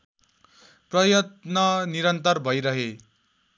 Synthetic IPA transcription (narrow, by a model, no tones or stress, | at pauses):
prʌjʌt̪nʌniɾʌnt̪ʌrbʱʌjɾʌɦe